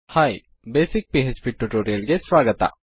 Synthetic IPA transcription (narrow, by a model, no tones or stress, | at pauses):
haːi | beːsɪk̚piːɦed͡ʒpiʈːuʈoːɾijəlɡeswaːɡət̪a̰ː